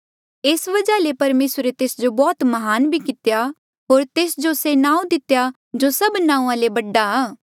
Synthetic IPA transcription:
eːsʋɐd͡ʒalepɐɾmeːsɾet̪eːsd͡ʒobɔːt̪mɐɦaːnbʱikɪt̪ja | ɦoːɾt̪eːsd͡ʒosenãːũd̪ɪt̪ja | d͡ʒosɐbnãːũãlebɐɖːaaː

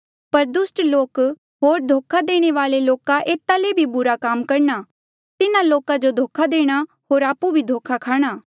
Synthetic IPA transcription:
pɐɾd̪ʊsʈloːk | ɦoːɾd̪ʱoːkʰad̪eːɽ̃eʋaːleloːkaʔeːt̪ːalebʱibʊɾakaːmkɐɾna | t̪ɪnaloːkad͡ʒod̪ʱoːkʰad̪eːɽ̃a | ɦoːɾaːpubʱid̪ʱoːkʰakʰaːɽ̃aː

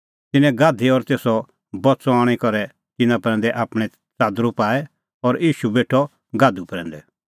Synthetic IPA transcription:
t̪ɪnɛ̃ɡaːd̪ʱiɔɾt̪eːsɔ | bɔt͡sɔaːɽ̃ikɔɾɛ | t̪ɪnãpɾɛ̃ːnd̪ɛʔaːpɽ̃ɛ̃ | t͡saːd̪ɾupaːɛ | ɔɾiːʃubeːʈʰɔ | ɡaːd̪upɾɛ̃ːnd̪ɛ

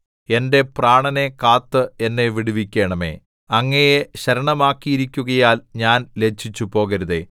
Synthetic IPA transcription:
e̞nde̞praːɳɐne̞kaːt̪ːɨe̞nːe̞ʋiɽuʋikʲːe̞ːɳɐme̞̰ | ɐŋːɐjeɕɐɾɐɳɐmaːkːijiɾikʲːuɣɐjaːlɲaːnle̞t͡ɕʰːit͡ɕːupo̞ːɣɐɾuðe̞̰

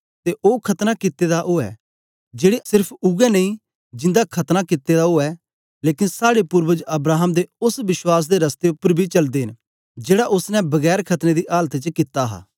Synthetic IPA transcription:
t̪eʔoːkʰɐt̪nakɪt̪ːed̪aʔoːɛ̰ː | d͡ʒeːɽesɪɾpʰʊɡɛnɐĩː | d͡ʒɪ̃nd̪akʰɐt̪nakɪt̪ːed̪aoːɛː | leːkɪnsaːɽepʊɾwəd͡ʒɐbɾaːɦəmd̪eʊsʋɪʃwaːs̬d̪eɾɐst̪eʊpːəɾbʱit͡ʃɐld̪eːɦɪn | d͡ʒeːɽaʔʊsnɛ̃bɐɡɛːɾkʰɐt̪nẽːd̪iʔaːlt̪et͡ʃəkɪt̪ːaɦa̰ː

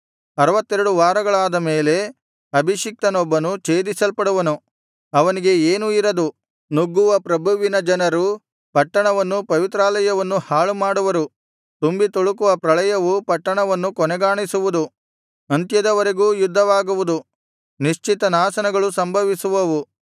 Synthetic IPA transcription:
ɐɾɐʋɐt̪ːeɾɐɽuʋaːɾɐɡɐɭaːd̪ɐmeːle̞ | ɐbʱiʃik̚t̪ɐnɔbːɐnut͡ʃe̞ːd̪isɐlpɐɽuʋɐnu | ɐʋɐniɡe̞eːnuiɾɐd̪u | nuɡːuʋɐpɾɐbʱuʋinɐd͡ʒɐnɐɾu | pɐʈːɐɳɐʋɐnːupɐʋit̪ɾaːlɐjɐʋɐnːuhaːɭumaːɽuʋɐɾu | t̪umbit̪oɭukuʋɐpɾɐɭɐjɐʋupɐʈːɐɳɐʋɐnːukɔnɛɡaːɳisuʋud̪u | ɐnt̪jɐd̪ɐʋɐɾeɡuːjud̪ʱːɐʋaːɡuʋud̪u | niʃt͡ʃit̪ɐnaːsɐnɐɡɐɭusɐmbʱɐʋisuʋɐʋu

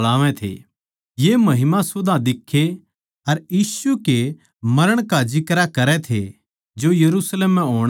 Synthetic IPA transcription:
laːʋẽt̪ʰḛ | jemɐɦɪmãsʊd̪ʱãd̪ɪkʰːe | ɐɾjiːsuke | mɐɾəɽ̃kad͡ʒɪkɾakɐɾɛt̪ʰḛ | d͡ʒojɐɾuːsleːmːɛ̃ɦoːɽ̃

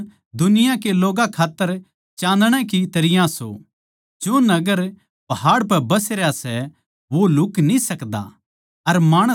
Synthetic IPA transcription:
d̪ʊnɪjãkeloːɡãkʰaːt̪ːəɾ | t͡ʃãːnd̪ɽ̃ɛ̃kit̪ɐɾɪjãso̰ | d͡ʒoːnɐɡəɾ | pɐɦaːɽpɛbɐsɾasɛ | ʋolʊknĩsɐkd̪a̰ | ɐɾmaːɽ̃ə

